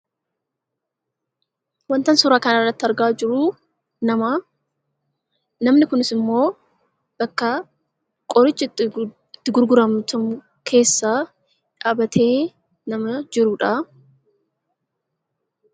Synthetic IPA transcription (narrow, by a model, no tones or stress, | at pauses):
wɐnt̪ɐnsʊɾaːkɐnɐrːɐt̪ːɪɐɾɡaːd͡ʒɪɾʊ | nɐmɐ | nɐmnɪkʊnɪsɪmːo̞ː | b̥ɐkːɐ | kʼɔɾɪt͡ʃːɪ | ɪt̪ːɪɡʊɾɡʊɾɐmt̪ʊm | kʰe̞ːsːaː | ᶑaːbɐt̪ʰe̞ː | nɐmɐd͡ʒɪɾʊᶑa